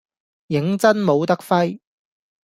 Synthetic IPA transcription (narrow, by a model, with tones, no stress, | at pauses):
jɪ˨˥ŋt͡sɐ˥nmo˨˧wt̪ɐ˥k̚fɐ˥j